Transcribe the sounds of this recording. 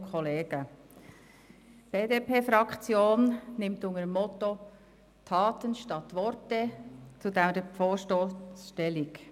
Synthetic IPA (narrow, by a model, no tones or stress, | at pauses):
kʰχɔleːɡ̥ə | b̥eːdeːpʰeːfɾɑkt͡sjoːnnɪmt̪ʊŋəɾəmːɔt̪o | t̪ʰɑːtənʃtɑt̪ʋɔɾtɛt͡sud̪ɛmdəfoːʃtosʃtɛlɪk